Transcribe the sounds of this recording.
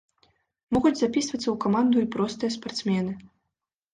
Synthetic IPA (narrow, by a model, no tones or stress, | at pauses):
mɔɣud͡zʲzapʲisvɐt̪sːɐwkamand̪uipɾɔst̪ɨjɐspart̪smʲɛnɨ